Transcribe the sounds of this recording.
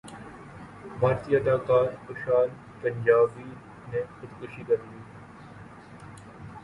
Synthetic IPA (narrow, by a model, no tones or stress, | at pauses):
maːɾt̪iɐd̪aːkaːɾxʊʃaːl | pɐɲʲd͡ʒaːbi | nexʊt̪kʊʃikɐɾliː